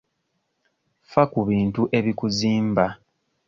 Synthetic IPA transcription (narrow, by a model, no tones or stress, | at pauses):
fakuβiːntuʔe̞βikuziːmba